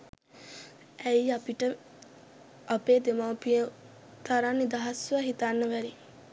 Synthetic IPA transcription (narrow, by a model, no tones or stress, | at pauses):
ʔæiapiʈə | ɐpeːd̪emapiə | t̪aɾanːid̪ɐɦɐsʋaɦit̪anːəʋæɾi